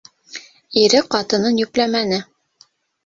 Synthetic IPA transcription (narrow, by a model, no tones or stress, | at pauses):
iɾɘqɑt̪ɤ̆nɤnjʉklæmænɘ